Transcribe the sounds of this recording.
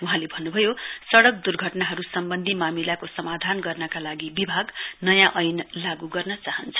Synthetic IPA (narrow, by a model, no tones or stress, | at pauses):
uɦãlebʱʌnːubʱʌjosʌɽʌk̚d̪urɡʱʌʈnaɦʌɾusʌmbʌnd̪ʱimamilakosʌmad̪ʱanɡʌrnʌkalaɡibibʱaɡnʌjãʔʌjnlaɡuɡʌrnʌt͡saɦʌnt͡sʰʌ̥